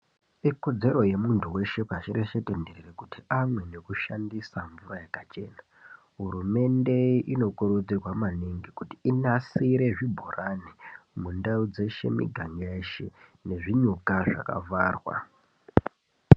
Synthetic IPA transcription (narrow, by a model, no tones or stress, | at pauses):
iko̞d͡ze̞ro̞je̞muntʰuwe̞ʃe̞paʃireʃetendererekutiamwe̞ne̞kuʃandisaɱvurajakat͡ʃe̞̰ːna | ɦuɾume̞nde̞ino̞kuɾud͡zirwamaniŋɡikutiinasiɾe̞ʐibʱoranimundaud͡ze̞ʃe̞̰mḭɡʱaŋɡeʃene̞ʐiɲukaʐa̰ka̰vaːrwa̰